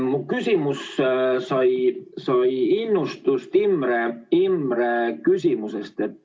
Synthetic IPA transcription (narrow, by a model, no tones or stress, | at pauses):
mukysʲimussɑjsɑjinːust̪ust̪imːɾeimːɾekysʲimusest̪e̞t̪ː